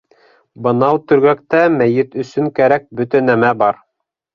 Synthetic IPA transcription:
bɤ̆nɑwt̪ɵ̆ɾɡækt̪æmæjɘt̪ɵ̆sɵ̆ŋkæɾæk̚bɵt̪ænæmæbɑɾ

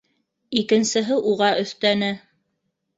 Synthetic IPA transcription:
ikɘ̆nsɘ̆ɦɘʔuʁɑʔɵ̆θt̪ænɘ

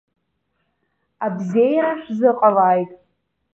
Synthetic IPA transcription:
abzejaɾaʂzɨqʼalajtʼ

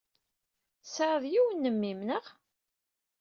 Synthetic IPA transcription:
səɾðˤjiwənːəmːimnəʁ

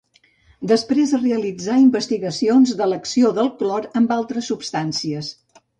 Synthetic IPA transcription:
d̪əspɾezəreəlid͡zaimbəst̪iɣəsionzðələksioðəlˠklɔɾəmbalˠt̪ɾəsːupst̪ansiəs

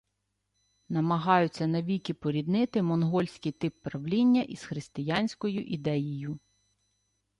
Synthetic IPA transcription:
nɐmɐɦɑjʊt͡sʲːɐnɐʋʲikʲipɔɾʲid̪nɪt̪ɪmɔnɦɔlʲsʲkɪjt̪ɪpːɾɐwlʲinʲːɐʔisxɾɪst̪ɪjanʲsʲkɔjʊʔid̪ɛjijʊ

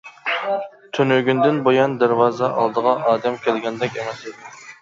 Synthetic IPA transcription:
t̪ʰønøɡʲynd̪ɪnbojɑnd̪æɾwɑːzɛʔɑ̰lˠd̪əʁɑʔɑːd̪ɛmkʲʰɛlɡʲɛnd̪ɛkʲemɛsid̪ɪ

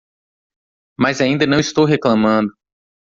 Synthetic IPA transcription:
mazaĩnd̪ɐnɐ̃w̃ist̪owɦeklɐ̃mɐ̃d̪ʊ

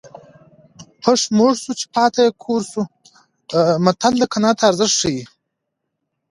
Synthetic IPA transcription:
pʰɐʂmoʐsut͡ʃʰi̥pʰɑːt̪ʰajekʰoːɾsu | mɐt̪ʰald̪ɐkʰanaːt̪ʰaːɾzəʂʂəji

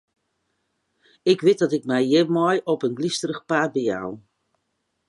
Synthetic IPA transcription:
ɪkʋɪt̚dɔtɪkmɛjjɪmɔjɔpənɡlistərəxpaːbəja̰w

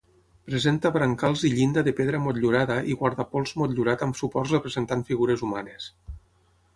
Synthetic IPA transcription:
pɾezent̪aβɾaŋkalˠziʎind̪aðepeðɾamot̪ʎuɾaðaʔiɣwaɾðapɔlˠzmɔt̪ʎuɾat̪amsupɔrrepɾezent̪aɱfiɣuɾezumanes

